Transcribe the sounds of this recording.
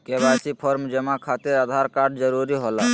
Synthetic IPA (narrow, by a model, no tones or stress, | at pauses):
kebasipʰɔɾmd͡ʒəmakʰat̪eɾad̪ʱaɾkaɾɖd͡ʒəɾuɾiɦola